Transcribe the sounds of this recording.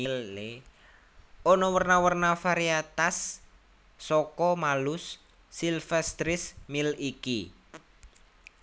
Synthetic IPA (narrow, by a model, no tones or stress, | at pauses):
ille | ɔnɔwərnawərnafaɾiat̪asː | ɔkɔmalʊsː | ilfɛst̪ɾɪsmiliki